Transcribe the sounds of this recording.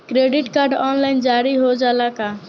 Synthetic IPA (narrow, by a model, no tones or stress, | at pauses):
kɾeɖiʈkaːɾɖɔnlaɪnd͡ʒaɾiɦod͡ʒalaka